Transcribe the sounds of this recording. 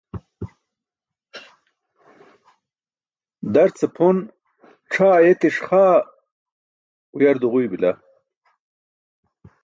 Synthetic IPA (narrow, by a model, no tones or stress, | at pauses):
d̪ɐɾt͡sepʰon | ʈ͡ʂʰaːjet̪iʂχaː | ujɐɾd̪uʁujbila